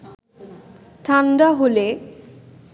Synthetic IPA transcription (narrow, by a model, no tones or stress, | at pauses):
ʈʰanɖaɦole